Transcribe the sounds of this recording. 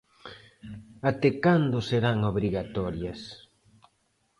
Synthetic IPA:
at̪ekand̪ʊseɾaŋoβ̞ɾiɣat̪ɔɾjɐs

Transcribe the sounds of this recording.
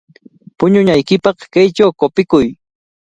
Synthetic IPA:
pʊɲʊɲajkɪpɑχkajt͡ʃawkopɪkʊj

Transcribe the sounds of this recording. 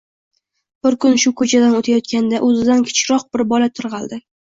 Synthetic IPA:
b̥ɪɾkʰʊnʃʊkʰɵt͡ʃʰad̪anot̪ʰajɒt̪kʲand̪aʔɵzɪd̪ankʰʲɪ̥t͡ʃɾɒq̚bɪɾbɒlat̪ʰʊɾʁɑlˠd̪ɪ

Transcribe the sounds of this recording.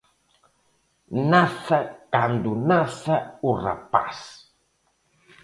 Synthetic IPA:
naθakand̪unaθaura̰pa̰s

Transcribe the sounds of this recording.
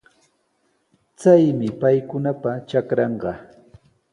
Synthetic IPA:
t͡sajmɪpajkʊnapat͡ʃakɾɑɴɢɑ

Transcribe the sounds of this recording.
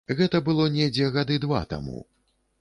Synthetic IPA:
ɣɛt̪ɐbɨlˠɔnʲɛd͡zʲɛɣad̪ɨd̪va̰t̪a̰mṵ

